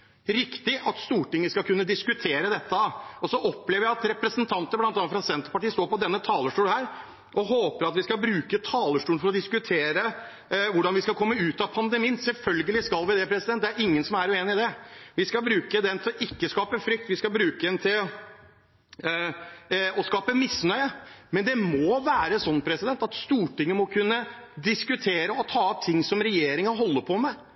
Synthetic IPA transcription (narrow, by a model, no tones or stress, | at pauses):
ɾɪkt̪ɪʔɑt̪st̪uːʈɪŋːəskɑlkʰʉnːəd̪ɪskʉt̪ʰeːɾəd̪ɛt̪ːəɔsɔʔɔpːleːʋəjæɪɑt̪ɾɛpɾəsənt̪ʰɑnt̪əɾblɑnt̪ɑnːfɾɑsɛnt̪əɾpɑʈiːst̪oːɾpɔd̪ɛnːət̪ʰɑːləʂʈuːɳhæːɾ | ʔɔɦoːpəɾɑt̪ʋɪskɑlbɾʉːkət̪ʰɑːləʂʈuːənfɔɾɔd̪ɪskʉt̪ʰeːɾə | ʋʊɖɑnʋɪskɑkʰɔmːəʉːt̪ɑpʰɑnd̪əmiːənsɛlfœlɡəlɪskɑlʋɪd̪ɛpʰɾɛsɪd̪ɛn̚d̪æɾɪŋːənsɔmæɾʉeːnɪɪd̪ɛʋɪskɑlbɾʉːkəd̪ɛnt̪ʰɪlɔʔɪkːəskɑːpəfɾʏk̚t̪ʋɪskɑbɾʉːkəd̪ɛnt̪ʰɪl | ɔskɑːpəmɪsnœʏəmɛnd̪ɛmɔʋæːɾəsɔnːpʰɾɛsɪd̪ɛnt̪ɑt̪st̪uːʈɪŋːəmɔkʰʉnːə | d̪ɪskʉt̪ʰeːɾəɔt̪ʰɑːɔp̚t̪ʰɪŋːsɔmɾɛjeːɾɪŋəɦɔlːəpʰɔmɛ